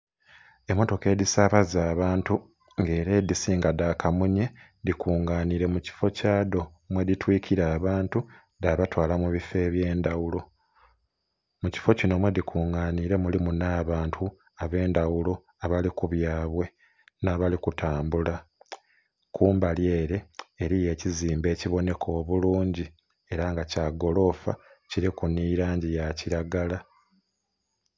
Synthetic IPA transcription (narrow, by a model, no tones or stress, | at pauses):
e̞mo̞to̞ke̞ːdisaːβazaːβaːntu | ŋɡe̞ːɾe̞ːdisiːŋɡadakamuɲe | dikʰuːŋɡaːniɾe̞muci̥fo̞caːdo̞ | mwe̞ðitwiːkʰiɾaːβaːntu | daβatwaːlamuβife̞ːβje̞ːndawulo̞ | muci̥fo̞cino̞mwe̞dikʰuːŋɡaːniːɾe̞mulimunaːβaːntʰu | aβe̞ːndawulo̞ | aβalikuβjaːβwe̞ | naːβalikutaːmbula | kuːmbalje̞ːɾe̞ːɾije̞ːciziːmbe̞ːciβo̞ne̞kʰo̞ːβuluːɲɟi | e̞ɾaŋɡacaɡo̞lo̞fa̰ciɾikuniːɾaːɲɟijaciɾaɡala